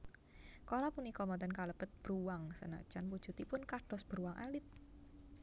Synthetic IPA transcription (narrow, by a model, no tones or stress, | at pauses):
kolapunikɔmɔt̪ənkaləb̥ət̪̚b̥əɾuwaŋsə̰na̰̥d͡ʒ̥anpu̥ʒ̥ṳt̪ipʊnkaɖ̥ɔ̤sb̥əɾuwaŋʔa̰lɪt̪̚